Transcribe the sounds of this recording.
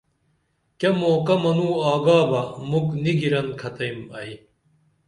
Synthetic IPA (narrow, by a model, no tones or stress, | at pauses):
kɐmoːkɐmɐnuːaːɡaːbɐmukniɡiɾɐnkʰɐt̪ɐjmɐj